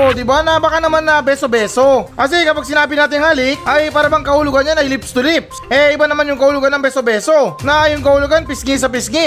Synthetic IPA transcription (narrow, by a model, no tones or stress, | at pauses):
ʔod̪ɪbanɐbɐkanɐmanːɐbɛːsobɛːso̞kɐs̬ɛkɐpaɡ̚sɪnaːbɪnaːt̪ɪŋhalɪk̚ʔɐjpaːɾɐbɐŋkɐhʊlʊɡanːjanɐjlɪpst̪ʊlɪp̚sʔɛʔɪbanɐmanjʊŋkɐhʊlʊɡanːɐŋbɛsobɛːso̞nɐjʊŋkɐhʊlʊɡanpɪsŋɪs̬ɐpɪsŋɪ